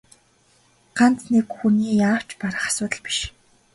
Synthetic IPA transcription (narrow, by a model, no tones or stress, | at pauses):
ɢ̥ant͡snekxuniːjaːw̥t͡ɕpaɾə̆χḁsʊːt̪ə̆ɮpi̥ʃ